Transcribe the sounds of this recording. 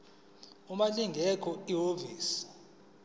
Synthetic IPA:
umaliŋɡʱɛkʰɔiɦoviːsi̥

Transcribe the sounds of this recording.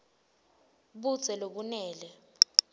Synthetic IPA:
ɓu̥z̥ʱɛloɓunɛːlɛ

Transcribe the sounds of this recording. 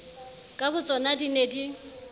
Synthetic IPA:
kʼabʊt͡sʼɔnadinedi

